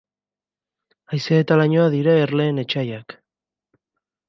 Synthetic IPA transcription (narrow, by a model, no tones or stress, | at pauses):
ajseet̪alaɲo̞aðiɾaeɾle̞ːne̞t͡ʃajak